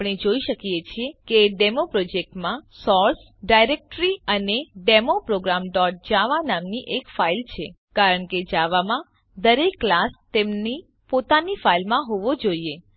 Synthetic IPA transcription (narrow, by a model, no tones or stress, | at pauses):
pɳ̃ed͡ʒoiʃəkijet͡ʃʰiekeɖemopɾɔd͡ʒek̚ʈmãsɔɾs | ɖajɾek̚ʈɾiəneɖemopɾoɡɾamɖɔʈ̚d͡ʒaʋanamniʔekfailt͡ʃʰe | kaɾəɳked͡ʒaʋamã | d̪əɾekːlast̪emni | pot̪anifailmãɦoʋod͡ʒoie